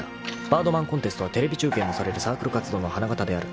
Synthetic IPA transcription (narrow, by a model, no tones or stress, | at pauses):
b̥aːd̪o̞mãŋkont̪e̞sɨ̥t̪o̞βat̪e̞ɾe̞bʲit͡ɕɨːkẽ̞mːo̞saɾe̞ɾɯ̟saːkɯ̟ɾɯ̟kat͡sɨd̪o̞ːno̞hanaɡat̪ad̪e̞aɾɯ̟